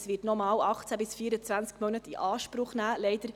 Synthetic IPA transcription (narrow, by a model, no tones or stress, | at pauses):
sʋɪːtnɔmɑːwɑχt͡sæbɪsfiːəɾət͡sʋænt͡skmœnətiʔɑːʃpɾʊχnæːlɛɪd̪əɾ